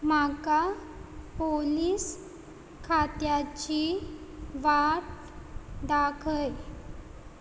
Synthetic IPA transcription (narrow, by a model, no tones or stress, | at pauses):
maka | poliːs | kʰat̪jat͡ɕi | ʋaʈ̚ | d̪akʰəj